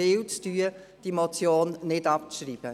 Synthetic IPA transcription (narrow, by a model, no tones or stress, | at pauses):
ɪːlt͡styːəd̥imot͡sjoːnːɪdɑpt͡sʃɾiːb̥ə